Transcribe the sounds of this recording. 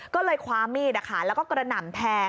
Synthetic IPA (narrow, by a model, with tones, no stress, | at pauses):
kɔː˥˩lɤː˧jkʰwaː˧miː˥˩a˧˩kʰa˥˩lɛː˦˥wkɔː˥˩kɾa˧na˨˩˦nt̪ʰɛː˧